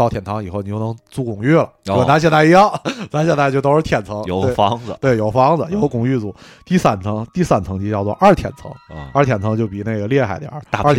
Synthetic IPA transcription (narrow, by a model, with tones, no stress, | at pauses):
t̪ɑ˥˧ʊt̪ʰjnt̪ʰɑ˧˥ŋi˨˩xo˥˩ʊn˨t͡ɕjo˥˩ʊn˧˥ŋt͡su˥˩kʊ˨˩ŋy˥˩lə˩e˥˧˩ɪna˧˥ɕ̬jɛ˥˧nza˥˧i˧˥jɑ˥˩ŋt͡sa˥ɕjna˥˧t͡ɕjo˥˧ʊt̪o˥ʊʂɻ̩˥˧t̪ʰjɛ˨˩nt͡sʰɤ˧˥ŋt̪we˥˩ɪfɑ˧˥ŋ˧t̪we˥˩ɪjo˨˩ʊfɑ˥ŋd͡zə˧jo˧˥ʊkʊ˨˩ŋy˥˧t͡su˨˩˦ | t̪i˥˧sa˥˩nt͡sʰɤ˧˥ŋt̪i˥˧˩sa˥˩nt͡sʰɤ˧˥ŋt͡ɕi˧˥t͡ɕjɑ˥˧ʊt͡swɔ̰˥˧ʔɐ˞˥˩t̪ʰjɛ̰˨˩nt͡sʰɤ̰˧˥ŋ˧a˥˩t̪ʰjɛ˨˩nt͡sʰɤ˧˥ŋt͡ɕjo˥˩ʊpi˨˩na˥˩ɡə˩ljɛ˥˧xa̰˨˧˩ɪt̪j̰a˞˥˧˥